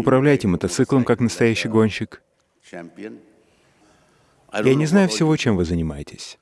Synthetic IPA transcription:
ʊpɾɐvlʲæjtʲɪmət̪ɐt̪sɨklˠəmkaknəst̪ɐjæɕːɪjɡo̞nʲɕːɪk | janʲɪznajʊfsʲɪvo̞t͡ɕe̞mvɨzənʲɪmajɪtʲɪ̥sʲ

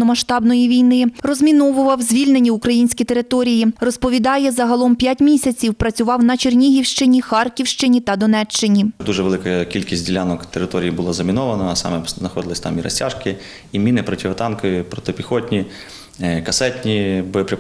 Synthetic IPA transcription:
nɔmɐʃt̪ɑbnɔjiʋʲijnɪrɔzʲmʲinɔʋʊʋɐwzʲʋʲilʲnenʲːiʊkɾɐjinʲsʲkʲit̪eɾɪt̪ɔɾʲijirɔspɔʋʲid̪ɑjɛzɐɦɐlˠɔmpʲjatʲmʲisʲɐt͡sʲiwpɾɐt͡sʲʊʋɑwnɐt͡ʃernʲiɦʲiwʃt͡ʃɪnʲixɑrkʲiwʃt͡ʃɪnʲit̪ɐd̪ɔnɛt͡ʃt͡ʃːɪnʲid̪uʒɛʋelˠɪkɐkʲilʲkʲisʲtʲdʲilʲanɔkt̪eɾɪt̪ɔɾʲijibʊlˠazɐmʲinɔʋɐnɐsɑ̰mɛznɐxɔd̪ɪlˠɪsʲt̪ɑmiɾɐ̰sʲtʲaʒkɪ | imʲinɪpɾɔtʲiʋɐt̪ɑnkɔjipɾɔt̪ɔpʲixɔtʲnʲi | kɐsɛtʲnʲibɔjɔpɾʲe

